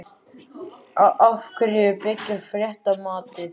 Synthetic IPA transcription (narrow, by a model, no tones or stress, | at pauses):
awʔafkʰɾɪʏpɪcːʏfɾjɛht̪amaːt̪ɪθ